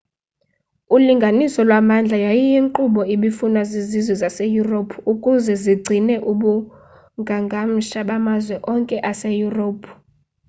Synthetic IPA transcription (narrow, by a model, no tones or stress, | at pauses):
uliŋɡʱanisɔlwamand͡ɮʱajajijiŋǃuɓɔiɓifunazizizwɛzasejuropʰukʼuzɛziɡ͡ǀʱinɛʔuɓu | ŋɡʱaŋɡʱam̩ʃaɓamazwɛʔɔŋkʼɛʔasejuroːpʰ